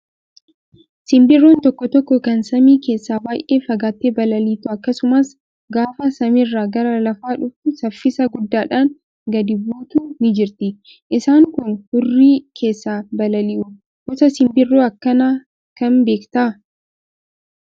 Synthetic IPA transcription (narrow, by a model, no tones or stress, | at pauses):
sɪmbɪrːoːnt̪ɔkːɔt̪ɔkːɔkɐnsɐmiːke̞ːsːaːbaːjʔe̞ːfɐɡaːt̪ːeːbɐlɐliːt̪ʊɐkːɐsʊmɐs | ɡaːfɐsɐmɪrːaːɡɐɾɐlɐfaːᶑʊfʊsɐfːɪsɐɡʊd̪ːaːᶑaːŋ | ɡɐd̪ɪbuːt̪uːnɪd͡ʒɪɾt̪ɪ | ʔɪsaːŋkʊnhʊrːiːkʰe̞ːsːaːbɐlɐlɪʔʊ | hɔsɐsɪmbɪrːoːɐkːɐnaː | kɐnbe̞ːkt̪aː